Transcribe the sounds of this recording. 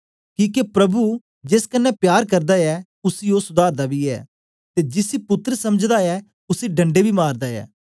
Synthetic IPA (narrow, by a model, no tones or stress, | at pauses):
kiːkepɾɐbu | d͡ʒeskənːɛpjaːɾkɐɾd̪aɛː | ʊsiːoːsʊd̪aːɾd̪abiːɛ̰ː | t̪eːd͡ʒɪsipʊt̪ːɾsɐməd͡ʒd̪aːɛː | ʊsiːɖɐ̃ɳɖebʱiːmaːɾd̪aːɛ̰ː